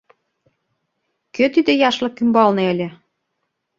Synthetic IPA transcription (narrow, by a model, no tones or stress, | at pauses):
køt̪id̪ĕjɑʃlɤ̆kymbɑlneelʲĕ